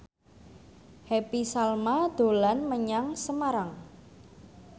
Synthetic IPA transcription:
hepisalmad̪̥o̤lanməɲaŋsəmaɾaŋ

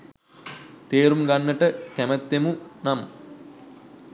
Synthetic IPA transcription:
t̪eːɾumɡanːəʈəkæmət̪ːemunam

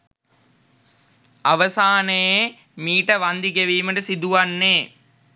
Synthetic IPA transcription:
ɐʋɐsaːnɐje | miːʈɐʋɐnd̪ikɐʋiːmɐɖɐsid̪uʋɐnːeː

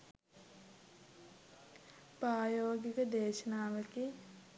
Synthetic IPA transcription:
pɾaːjoːɡikəd̪eːʃənaːʋəki

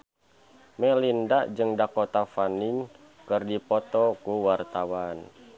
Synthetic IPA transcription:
mɛlindad͡ʒɨŋdakɔt̪afaniŋ | kɨrdipɔt̪ɔkuwart̪awan

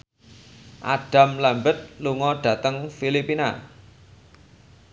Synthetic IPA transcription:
ʔaɖ̥a̤mlambət̪̚luŋɔɖ̥ä̤t̪əŋfilipina̰

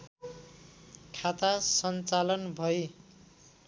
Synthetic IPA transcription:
kʰat̪asʌnt͡salʌnbʱʌe

